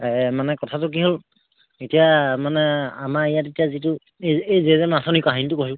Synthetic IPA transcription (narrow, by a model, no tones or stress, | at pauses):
ɛmanɛkɔtʰatʊk̬iɦol | etijamanɛamaejatetijazitʊ | eejzezɛmasɔnikaɦinitʊkoɦi